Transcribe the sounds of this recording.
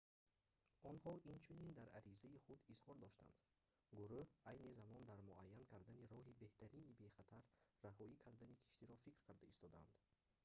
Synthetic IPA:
ʔɔnhɔint͡ʃʰunind̪aɾʔa̰ɾizaiχud̪izhɔɾd̪ɔʃt̪a̰nd̪̥ | ɡuɾuhajnizamɔnd̪aɾmuʔajːankʰaɾd̪aniɾɔɦibe̞ht̪ʰæɾinibe̞χat̪ʰaɾːaɦɔikʰaɾd̪anikʰi̥ʃt̪iɾɔfikɾkʰaɾd̪aist̪ɔd̪aa̰nd̪

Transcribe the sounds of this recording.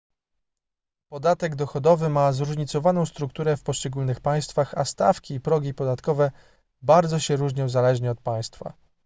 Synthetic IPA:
pɔd̪at̪ɛɡd̪ɔxɔd̪ɔvɘmazɾuʐɲit̪sɔvanɔ̃w̃st̪ɾukt̪uɾɛfpɔʂt͡ʂɛɡulnɘxpaj̃st̪faxast̪a̰fkʲiːpɾɔɡʲipɔd̪at̪kɔvɛ | baɾd̪zɔɕɛɾuʐɲɔwzalɛʐɲɛɔt̪̚paj̃st̪fa̰

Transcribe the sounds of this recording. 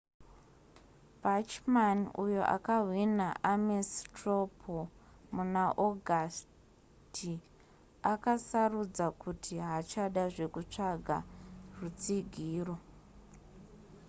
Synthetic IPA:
bʱat͡ʃmanujo̞̰ʔa̰kaɦwinaʔamestropʰomunaʔoɡʱas | ti | akasarud͡zakutʰiɦat͡ʃaɗaʐe̞kut͡ʂaɡʱa̰rut͡siɡʱiːro̞

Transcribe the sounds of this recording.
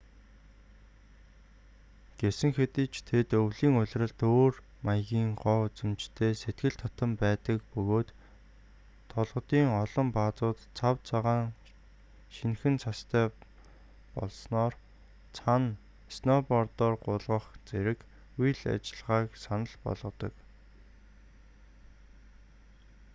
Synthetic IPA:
ɡ̥esɘ̆ŋxet̪ĭːt͡ɕt̪ʰet̪ɵwɮiːŋʊɮʲrə̆ɮt̪oːr | majɣʲiːŋɢɔːut͡sɘ̆mt͡ɕt̪ʰeːset̪̚ɡɘ̆ɮt̪ʰɔt̪ə̆mpæːt̪ə̆kpɵɣoːt̪ | ɔɮʁə̆t̪iːŋɔɮɞ̆mpat͡sʊːt̪t͡sʰawt͡sʰaʁaːŋ | ʃinxɘ̆nt͡sʰast̪ʰæː | pɔ̰ɮsnɔːr | t͡sʰan | snɔpɔrt̪ɔːrɢʊɮʁə̆χt͡seɾɘ̆k | ujɮa̰t͡ɕɪ̆ɮʁaːksanə̆ɮpɔ̰ɮʁə̆t̪ɞ̆k

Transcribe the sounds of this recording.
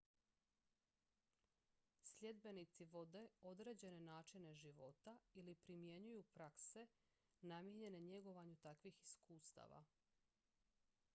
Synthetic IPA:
sʎʲe̞d̪be̞nit̪siʋo̞d̪e̞o̞d̪ɾe̞ːd͡ʑe̞ne̞naːt͡ʃine̞ʒiʋo̞t̪ailipɾimje̞ɲujupɾakse̞ | namjeɲe̞ne̞ɲe̞ɡo̞ʋaɲut̪akʋixiskuːst̪a̰ʋa̰

